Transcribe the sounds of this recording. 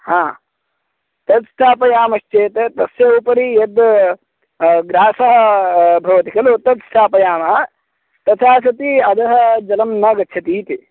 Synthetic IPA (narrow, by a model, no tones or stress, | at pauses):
hãː | t̪ɐd̪st̪ʰaːpɐjaːmɐʃt͡ʃeːt̪ɐt̪ɐsjɐupɐɾijɐd̪ | ɡɾaːsɐɦɐbʱɐʋɐt̪ikɐlut̪ɐd̪st̪ʰaːpɐjaːmɐɐ | t̪ɐt̪ʰaːs̬ɐt̪iɐd̪ɐɦɐ̆d͡ʒɐlɐmnɐːɡɐtːt͡ʃʰɐt̪iːt̪i